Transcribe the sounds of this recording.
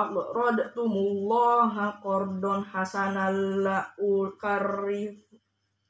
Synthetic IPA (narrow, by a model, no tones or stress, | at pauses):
aʔrɔdt̪umulːɔɦakɔrdɔnhasanalːaʔulkarif